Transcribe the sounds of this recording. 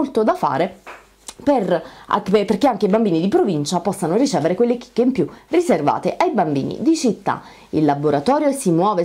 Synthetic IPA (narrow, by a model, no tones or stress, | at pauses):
olt̪od̪afa̰ːɾe | pera̰perkeaŋk̟eibambiːnid̪ipɾovint͡ʃapɔsːanorit͡ʃɛːveɾekwelːeki̥kːeimpjuriserva̰ːt̪eʔajbambḭːnḭd̪it͡ʃit̪ːa̰ | ilːaboɾat̪ɔːɾjosimwɔːve